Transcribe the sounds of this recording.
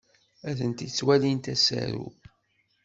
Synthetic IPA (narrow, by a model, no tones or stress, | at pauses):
æθənt̪it͡sːwælint̪æsæ̰ɾṵ